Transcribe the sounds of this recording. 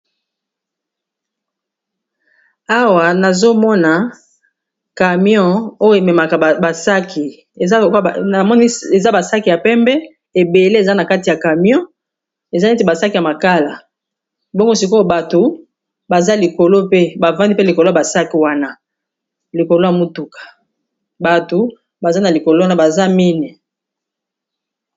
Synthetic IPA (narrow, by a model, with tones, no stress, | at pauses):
a˦wa˨na˨zo˦mɔ˦na˨ | ka˨mjɔ̃˦o˦jo˦e˨mɛ˨ma˨ka˨ba˨sa˦kʰi˨˦˨ | kna˨mɔ˦ni˦e˨za˦ba˨sa˦ki˨ja˨pɛ˦mbɛ˦ | e˨be˨le˦e˨za˦na˨ka˦ti˨ja˨ka˨m˦ɔ̃˦ | e˨za˦ne˦te˨ba˨sa˦ki˨ja˨ma˨ka˦la˨ | bɔ˦ŋɡo˦˨si˨ko˦ba˨to˨ | ba˨za˦li˨ko˨lo˦pe˦ba˨vã˦ndi˦pe˦li˨ko˨lo˦a˨ba˨sa˦ki˨wa˦na˦ | li˨ko˨lo˦ja˨mu˦tu˨kḁ˨ | ba˨to˨ | ba˨za˦na˨li˨ko˨lo˦wa˦na˦ba˨za˦mi˦ni˨